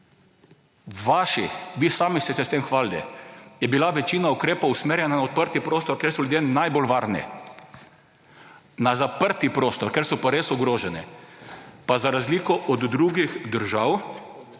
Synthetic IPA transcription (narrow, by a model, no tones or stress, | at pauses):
ʋaʃiʋiːsaːmist̪ɛsɛst̪emxʋaːlt̪ɛ̰jɛbilaʋɛt͡ʃiːnaukɾeːpowsmeɾjɛnanaɔt̪̚pəɾt̪ipɾoːst̪ɔɾkeːɾsɔljud̪enajbolʋaːɾnɛ̰ | nazapəɾt̪ipɾoːst̪ɔɾkeːɾsɔpaɾesɔɡɾoːʒɛnɛ̰ | pazaɾazliːkɔʔɔd̪ːɾuɡixd̪əɾʒaw